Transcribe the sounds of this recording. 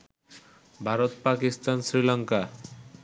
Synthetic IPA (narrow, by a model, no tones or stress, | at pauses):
bʱaɾot̪pakist̪ansɾilaŋka